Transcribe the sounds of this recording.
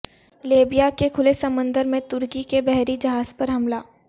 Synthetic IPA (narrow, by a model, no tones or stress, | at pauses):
leːbijakekʰʊlesɐmə̃nd̪əɾmẽt̪ʊɾkikebɛɦɾid͡ʒɐɦaːzpɐɾɦɐmlaː